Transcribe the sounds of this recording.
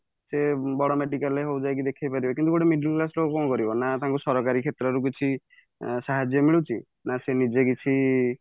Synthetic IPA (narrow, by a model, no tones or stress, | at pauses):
sebɔɽɔmeɖikaleɦowd͡ʒajkid̪ekʰajpaɾibɔkint̪uɡoʈemiɖilklaslokɔkɔ̃w̃kɔɾibɔnat̪aɦãŋkusɔɾɔkaɾikʰet̪ɾɔɾuk̬it͡ʃʰi | saɦad͡ʒjɔmiɭut͡ʃʰi | nasenid͡ʒekit͡ʃʰi